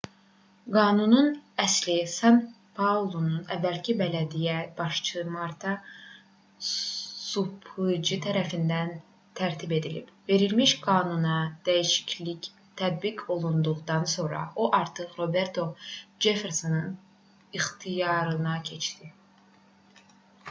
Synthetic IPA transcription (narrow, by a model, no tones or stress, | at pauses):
ɡɑːnununæslisɑn | pʰɑulˠo̞nunævːælcʰibælæd̪ijæb̥ɑʃt͡ʃʰɯmɑɾt̪ʰɑ | supʰɯd͡ʒɯt̪ʰæɾæfind̪æn | t̪ʰæɾt̪ʰibe̞d̪ilḭbve̞ɾilmiʃɡɑːnunɑd̪̥æjiʃi̥cʰlic | t̪ʰæd̪̚bikʰo̞lˠund̪uʁd̪ɑnso̞ɾɑ̰oʔɑɾt̪ʰɯχɾo̞be̞ɾt̪ʰo̞d͡ʒe̞fe̞ɾso̞nɯn | iχt̪ʰijɑɾɯnɑcʰe̞t͡ʃd̪i